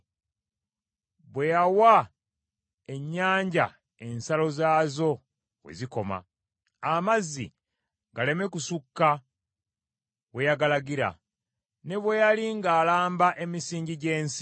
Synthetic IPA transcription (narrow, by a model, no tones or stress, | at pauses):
βwe̞jawa | e̞ɲːaːɲɟa̰ | e̞nsalo̞zaːzo̞ | wḛziko̞ma̰ː | mazːḭ | ɡale̞me̞kusukːa | we̞jaɡalaɡiɾa̰ | ne̞βwe̞jaliŋɡaːlaːmbaʔe̞misiːɲɟiɟe̞ːnsi